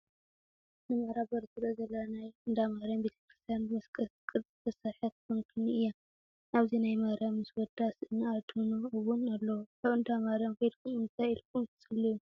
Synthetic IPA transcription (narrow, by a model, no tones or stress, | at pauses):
nɨmɐɾabɐɾt̪ʰɨɾɐzɐlanajʔɨnd̪amaɾɐmbet̪ʰɐ̥kɾɨst̪ʰijanbɨmɐskʼɐskʼɨt̪ʼzɨt̪ʰɐsaħɨt̪̚kɨnkʰɨnɨɨjːa | naβzinajmɐɾamɨswɔd̪asɨnːaat̪ʰunuɨβunalːɐwaβɨnd̪amaɾɐmked̪kʰumɨnt̪ʰajɨlkʰʼumt̪ʰɨt͡sʼɨlːiju